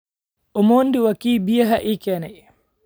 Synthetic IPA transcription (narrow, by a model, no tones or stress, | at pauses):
ʔumondiwakiːbijaɦaʔikɛnɛ